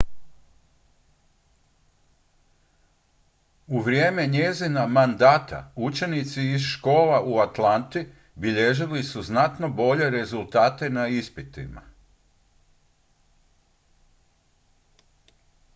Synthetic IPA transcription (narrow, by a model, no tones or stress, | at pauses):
uʋɾje̞ːme̞ɲe̞zinamand̪aːt̪a̰ut͡ʃe̞nit̪siːzʃko̞ːlaʔuat̪lant̪i | biʎe̞ʒilisuznat̪no̞bo̞ʎe̞ɾe̞zulˠt̪aːt̪e̞naispit̪ḭma̰